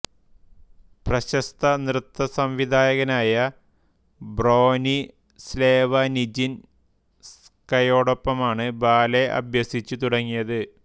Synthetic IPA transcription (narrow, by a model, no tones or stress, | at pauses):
prɐɕɐst̪ʰɐnrɨt̪ːɐsɐmʋid̪ʱaːjɐɣɐnaːjɐ | bro̞ːni | sleːʋɐnid͡ʑin | s | kɐjo̞ːɽopːɐmaːɳɨbaːle̞ʔɐ̰bjɐsit͡ɕːut̪uɽɐŋːijɐðɨ